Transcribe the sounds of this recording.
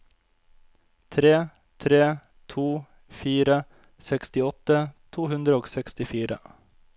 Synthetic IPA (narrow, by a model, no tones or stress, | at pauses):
t̪ʰɾeː | t̪ʰɾeː | t̪ʰuː | fiːɾə | sɛkst̪ɪɔt̪ːət̪ʰuːɦʉnd̪ɾəoːɡsɛkst̪ɪfiːɾə̰